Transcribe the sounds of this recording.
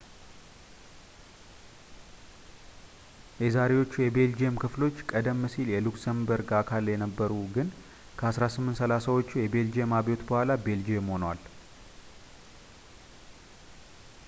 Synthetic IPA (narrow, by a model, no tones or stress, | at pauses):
jɛzaɾe̞wo̞t͡ʃːujɛbe̞ld͡ʒiemkʰɨflo̞t͡ʃːkʼəd̪əmːɨsiljɛluksəmbəɾɡakʰaljɛnəbːəɾuɡɨn | kʰəasɾasɨmːɨnt̪səlasawo̞t͡ʃːujɛbe̞ld͡ʒiemaβo̞t̪bəhʷalabe̞ld͡ʒiemho̞nwal